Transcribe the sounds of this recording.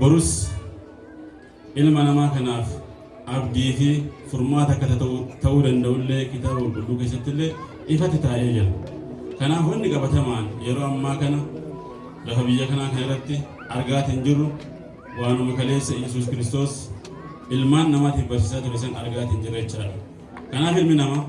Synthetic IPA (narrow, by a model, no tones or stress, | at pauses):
bɔɾʊs | ʔɪlmɐnɐmaːkɐnaːf | ʔɐbd̪iːfɪfʊɾmaːt̪ɐkːɐt̪ɐt̪t̪ɐʔuːd̪ɐnd̪ɐʔʊlːe̞ːkɪt̪aːbɐɔlɡʊlːuːke̞ːs̬ːɐt̪ːɪlːeː | ʔɪfɐt̪ːɪt̪aːʔeːd͡ʒɐ | kɐnaːfɔnːɪkʼɐbɐt̪ɐmaːnjɛɾo̞ːɐmːaːkɐnɐ | dɐkɐbɪjːɐkɐnaːkɐnɪrːɐt̪ːɪ | ɐɾɡaːt̪hɪnd͡ʒɪrːʊ | waːnʊmɐkɐle̞ːsːɐjɛs̬uːskɪɾɪst̪o̞ːs | ʔɪlmaːnːɐmaːt̪ɪfbɐɾsiːsaːt̪ʊɾɛs̬ɐnɐ̰ɾɡaːt̪hɪnd͡ʒɪrːɐɛt͡ʃːɪaːᶑ̪ɐ | kɐnaːfɪlmɪnɐmɐ